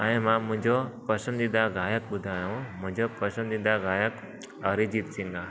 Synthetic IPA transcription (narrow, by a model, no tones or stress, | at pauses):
aẽmãmũɲd͡ʒopəsənd̪id̪aɡajək̚bud̪ʱajaõm̤ə̃ɲd͡ʒopəsə̃nd̪id̪aɡajək | əɾid͡ʒit̪siŋɡa